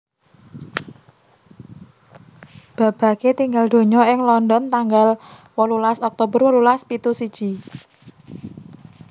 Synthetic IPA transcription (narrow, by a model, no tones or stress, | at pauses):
b̥a̤b̥ä̤ket̪iŋɡald̪̥o̤ɲɔɪŋlɔnd̪ɔnt̪aŋɡalwɔlulasɔk̚t̪obərwɔlulaspit̪usid̥ʒ̥i̤